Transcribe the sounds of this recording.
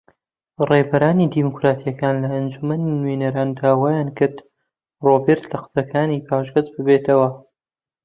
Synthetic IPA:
rebɐɾaːnid̪imukɾaːt̪ʰijɐkaːnlɐɐnd͡ʒumɐninwenɐɾaːnd̪aːwajaːnkɨɾd̪ | roːbeɾt̪lɐqɨ̥sɐkʰaːniːpʰaːʒɡɐt͡ʃbɨbet̪ʰɐwɐ

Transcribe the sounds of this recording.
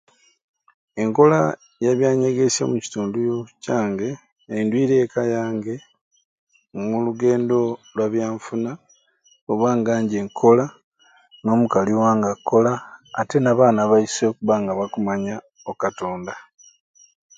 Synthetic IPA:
e̞ŋko̞la | jaβjaːɲe̞ɡe̞sjo̰muci̥tuːndujocaːŋɡe̞ | aindwiːɾe̞ːkajaːŋɡe̞ | muluɡe̞ːndo̞lwaβjaːɱfuna | oβaːŋɡaːɲɟe̞ːŋkʰo̞la | no̞ːmukaliwaːŋɡako̞laːte̞naβaːnaβaiso̞ːkuβaːŋɡaβakumaɲa | okato̞ːnda

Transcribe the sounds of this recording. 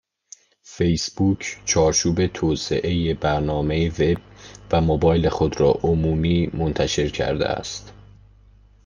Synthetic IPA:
fejsb̥uːcʰt͡ʃʰɒːɾt͡ʃʰuːbe̞t̪ʰoːse̞ʔe̞jebæɾnɒːme̞jeve̞b̚væmobɒːjlexo̞d̪ɾɒ̰ːʔomuːmiːmo̞nt̪ʰæʃe̞ɾcʰæ̰ɾd̪ḛæ̰st̪

